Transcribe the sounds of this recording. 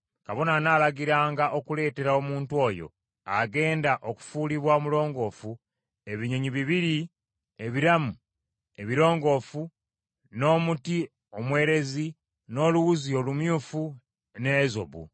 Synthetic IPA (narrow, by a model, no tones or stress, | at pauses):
kaβo̞nanaːlaɡiɾaːŋɡaʔo̞kule̞ːte̞ɾao̞muːntwo̞ːjo̞̰ | aɡe̞ːndaʔo̞ku̥fuːliβwaomulo̞ːŋɡo̞ːfu | e̞βiɲeɲiβiβiɾi | eβiɾamu | e̞βiɾo̞ːŋɡo̞ːfu | no̞ːmuti | o̞mwe̞ːɾe̞zi | no̞ːluɣuzio̞lumjuːfu | ne̞zo̞̰βṵ